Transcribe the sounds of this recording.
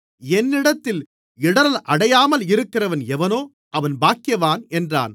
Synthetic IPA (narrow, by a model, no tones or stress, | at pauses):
ɛnːɪɽɐt̪ːɪl | ɪɽɐnɐlʔɐɽɐjaːmɐlɪɾɯkːɪrɐʋɐnɛʋɐnoː | ʔɐʋɐnbaːkɪjɐʋaːnɛndra̰ːn